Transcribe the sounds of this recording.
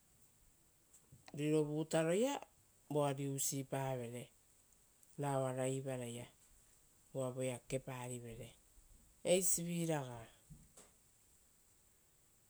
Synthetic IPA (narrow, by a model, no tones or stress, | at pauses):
ɾiɾo̞βutaɾo̞ja | boaɾiusipaβe̞ɾe̞ | naoaɾaiβaɾaja | uaβo̞jake̞paɾiβe̞ɾe̞ | ejsiβiɾaɡa